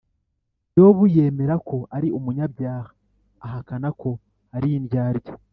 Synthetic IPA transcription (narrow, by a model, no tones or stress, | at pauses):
jo̞ːβuje̞ːme̞ɾakʰo̞aɾiumuɲabjaːhḁː | ɦakanako̞ | aɾiinjaːɾjo